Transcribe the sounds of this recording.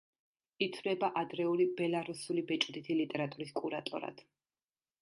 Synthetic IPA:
it̪ʰvlɛbaʔad̪ɾɛulibɛlˠaɾusulibɛt͡ʃʼd̪it̪ʰilit̪ʼɛɾat̪ʼuɾiskʼuɾat̪ʼṵɾa̰d̪̥

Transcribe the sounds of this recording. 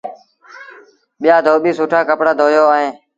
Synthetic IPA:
ɓɪjaːd̪ʱoːɓiːsuːʈʰaːkəpɽaːd̪ʱoːjoːaːɦẽː

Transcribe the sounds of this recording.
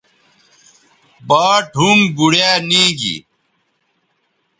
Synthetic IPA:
baːʈumɡuɽjaːnĩːɡḭ

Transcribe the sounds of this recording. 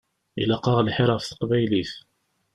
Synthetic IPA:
ḭlɑqːɑʁlħɪɾˤɑfθə̥qbæjliθ

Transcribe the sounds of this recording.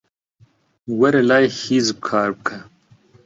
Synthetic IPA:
wɐɾelaːjhizkʰaːɾb̚kʰɐ

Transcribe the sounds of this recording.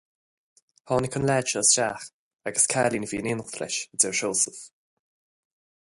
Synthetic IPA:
hʰɔːnəkʰʊnlɛːdʃəəsʃaːx | aɡəskʰaːlinviːənɪːnəxt̪ɾɛ̰ʃədɛɹʃoːsəf

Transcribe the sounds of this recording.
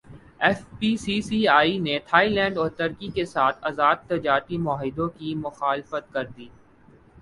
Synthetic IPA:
ɛːfpiːsiːsiaːinet̪ʰaːilɛ̃ːɳɖɔːɾt̪ɐɾkikesaːt̪ʰɐzaːd̪̚t̪ɐd͡ʒaːɾt̪imɔːɦɪd̪õkimʊxaːlɪfət̪̚kɐɾd̪iː

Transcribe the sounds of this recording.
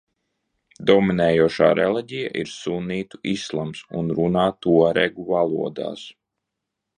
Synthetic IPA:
d̪ɔminɛːjuɔʃa̰ːɾɛlˠiɟija̰ʔḭɾsuniːt̪uʔislˠamsṵnɾunaːt̪uɔɾɛɡuvalˠuɔd̪a̰ːs

